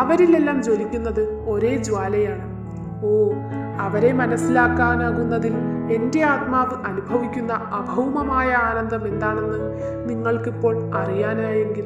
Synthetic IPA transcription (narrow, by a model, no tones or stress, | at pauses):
ɐʋɐɾile̞lːaːmd͡ʑo̞likʲːunːɐðɨo̞ɾe̞ːd͡ʑwaːlɐjaːɳɨ | oː | ɐʋɐɾe̞mɐnɐsːilaːkːaːnaːɣunːɐðile̞nde̞aːt̪̚maːʋɨʔɐnubʱɐʋikʲːunːɐɐbʱɐwmɐmaːjɐaːnɐnd̪ʱɐme̞nd̪aːɳe̞nːɨ | niŋːɐɭkipːo̞ːɭɐrijaːnaːje̞ŋɡil